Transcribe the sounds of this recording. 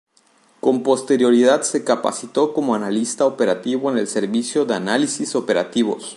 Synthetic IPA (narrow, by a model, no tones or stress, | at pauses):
ko̞mpo̞st̪e̞ɾjo̞ɾiðad̪se̞kapa̰sit̪o̞ko̞moanalist̪aope̞ɾat̪iβo̞ene̞lse̞ɾβisjo̞ðeanalisiso̞pe̞ɾa̰t̪iβo̞̰s